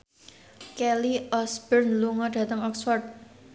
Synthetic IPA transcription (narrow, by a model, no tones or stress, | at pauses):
kɛliɔsbərnluŋɔɖ̥a̤t̪əŋɔksfɔrd̪̚